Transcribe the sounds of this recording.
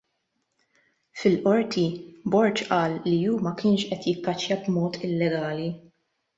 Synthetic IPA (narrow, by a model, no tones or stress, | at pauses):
fɪlʔɔɾt̪ʰibɔɾt͡ʃʔɐːlːijuːmɐkʰɪːnʃʔɛt̪jɪkːɐt͡ʃːjɐbmɔːt̪ʰɪlːɛɡɐːli